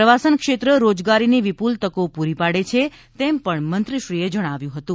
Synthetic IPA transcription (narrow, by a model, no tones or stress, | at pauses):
ɾəʋasənkʃet̪ɾəɾod͡ʒɡaɾiniʋipult̪əkopuɾipaɽet͡ʃʰe | t̪empəɳmənt̪ɾiʃɾied͡ʒəɽ̃aʋjũɦət̪ũ